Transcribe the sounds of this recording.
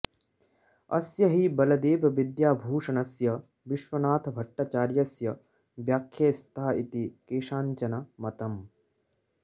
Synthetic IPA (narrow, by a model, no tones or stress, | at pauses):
ɐ̰sjɐɦibɐlɐd̪eːbʱɐʋid̪jaːbʱuːʂɐnɐsjɐ | ʋiʃʋɐnaːt̪ʰɐbʱɐʈːaːt͡ʃaːɾjɐsjɐ | ʋjaːkʰːjeːst̪ʰaːit̪ikeːʂaːɲt͡ʃɐnɐmɐt̪ɐm